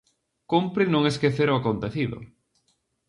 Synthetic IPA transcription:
kumpɾɪnõŋeskeθeɾʊakont̪eθiðʊ̰

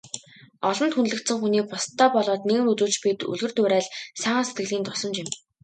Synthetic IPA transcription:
ɔɮɞ̆nt̪xunɮɘ̆kt̪sɘ̆ŋxuniːk̚pʊst̪ʰːœːpɔɮɔːt̪neɣɘ̆mut͡suːt͡ɕpit̪ɵ̰ɮɣɘ̆rt̪ʊːɾæːɮsăːset̪̚ɡɘ̆ɮiːnt̪ʊsɞ̆mt͡ɕɪ̆m

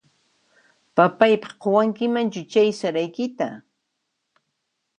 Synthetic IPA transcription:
papajpɑχqʰowaŋkɪmant͡ʃʊt͡ʃajsaɾajkɪt̪a

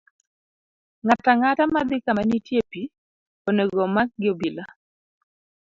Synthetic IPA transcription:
ŋataŋatamad̪ɪkamanitjepi | oneɡɔmak̚ɡɪobila

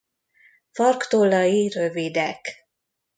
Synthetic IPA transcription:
fɒrkt̪oːlɒjirøvid̪ɛk

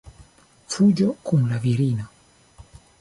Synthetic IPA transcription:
fud͡ʒɔkum̩laviɾina

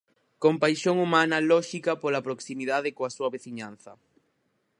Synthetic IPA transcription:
kompajʃoŋumanalɔʃikapolapɾoksimiðaðekoasuaβeθiɲãn̟θɐ

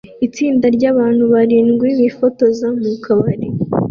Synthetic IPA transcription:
it͡siːndaɾɟaβaːn̥huβaɾiːnɡwiβifoto̞zamukʰaβaɾi

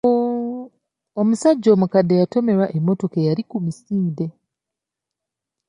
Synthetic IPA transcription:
omusaɟːo̞ːmukadːe̞jato̞me̞ɾwaʔemːo̞to̞kejaɾikumisiːde̞

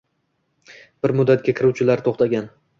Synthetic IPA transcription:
b̥ɪɾmʊd̪ːat̪̚ɡʲakʲʰɪɾuwt͡ʃʰɪlaɾt̪ʰoχt̪aɡʲan

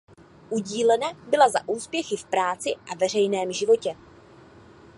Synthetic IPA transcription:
ʔuɟiːlɛnabɪlazaʔuːspjɛxɪfpɾaːt͡sɪʔavɛr̝ɛjnɛːmʒɪvo̞cɛ

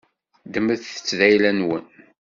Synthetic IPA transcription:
d̪əmːəðθə̥t͡sːðæjlænwən

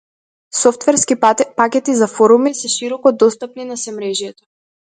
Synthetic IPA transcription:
sɔft̪vɛɾskipakʲɛt̪izafɔɾumisɛʃiɾɔkɔd̪ɔst̪ap̚ninasɛmɾɛʒjɛt̪ɔ̥

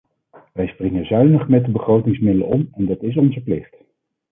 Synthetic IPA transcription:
ʋɛjsprɪŋəzœɥnəχmɛt̚dəbəχrowtɪŋsmɪdələ̰ɔmɛndɑtɪs̬ɔnzəplɪχt

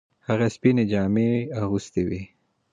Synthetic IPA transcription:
haɣaspined͡ʒɑmeaɣust̪ewi

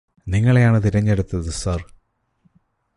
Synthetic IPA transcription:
niŋːɐɭejaːɳɨt̪iɾɐɲːeɽut̪ːɐðɨsɐr

